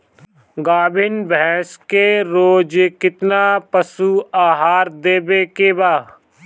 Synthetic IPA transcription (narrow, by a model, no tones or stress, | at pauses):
ɡaːbʱɪnbɛ̃ːskeɾoːd͡ʒkɪt̪napəsuaːɦaːɾd̪eːbekebaː